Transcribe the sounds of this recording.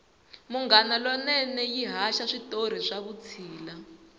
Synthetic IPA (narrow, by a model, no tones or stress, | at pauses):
muŋɡanalɔnɛnɛjiɦaʃaʂitoɾ̤iʂaβut͡sʰiːla